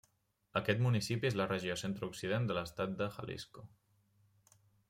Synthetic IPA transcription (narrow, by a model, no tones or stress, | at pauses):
əkɛt̪munisipiezlərəʒiosent̪ɾuksiðend̪ələst̪at̪̚d̪əxə̰lʔḭsko